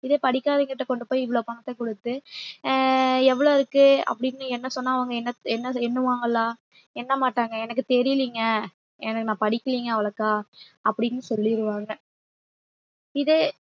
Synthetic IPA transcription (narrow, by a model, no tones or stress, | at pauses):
ɪðeːpɐɽɪkːaːðiŋɡɐʈːɐkɔɳɖɯpoːjɪʋɐɭoːpɐŋɡɐt̪ːɐkɔɽɯt̪ːɯ | ɛʋːɐɭoːɪɾɯkːɯɐ̰pːɐɽɪnːɯɛnːɐsɔnːaːɐʋɐŋɡɐɛnːɐɛnːɐɛnːɯʋaːŋɡɐlːaː | ɛnːɐmaːʈːaːŋɡɐɛnɐk̬ːɯt̪ɛɾɪliŋɡɐ | ɛ̰nɐkːɯnãːpɐɽɪkːɐliːŋɡɐɐʋɐɭɐkːaː | ɐpːɐɽɪnːɯsɔlːɪɾɯʋaːŋɡɐ | ɪðɯ